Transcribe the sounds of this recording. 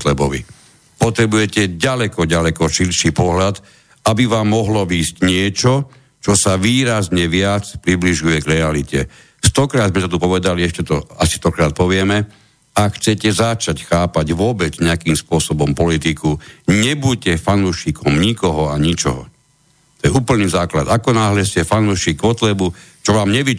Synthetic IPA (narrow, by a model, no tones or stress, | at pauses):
slɛbɔʋḭ | pɔt̪ɾɛbujɛcɛɟalɛkɔɟalɛkɔʃilʃipɔɦlad̪ | abiʋaːmːɔɦlɔʋiːscɲɪɛt͡ʃɔ | t͡ʃɔsaʋiːɾazɲɛʋɪat͡spɾibliʒujɛɡɾɛalicɛ̰ | st̪ɔkɾaːd̪zmɛsɔt̪upɔʋɛd̪aliɛʃcɛt̪ɔasi̥st̪ɔkɾaːt̪̚pɔʋɪɛmɛ | akxt͡sɛcɛzat͡ʃacxaːpaɟʋʊɔbɛd͡zɲɛakiːmspʊɔsɔbɔmpɔlit̪ikuɲɛbucɛfanuʃikʰɔmɲikɔɦɔaɲit͡ʃɔ̰ɦɔ̰ | t̪ɔjɛuːpl̩niːzaːkla̰d̪akɔnaːɦlɛscɛfanuːʃiːɡɔt̪lɛbut͡ʃɔʋaːmɲɛʋi